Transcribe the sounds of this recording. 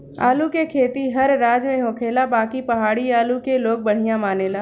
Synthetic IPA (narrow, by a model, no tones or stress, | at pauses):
a̰ːlukekʰeːt̪iɦɐɾːaːd͡ʒmẽɦoːkʰeːlabaːkipɐɦaːɽiaːlukeloːɡ̚bɐɽ̤ijãmaːneːlaː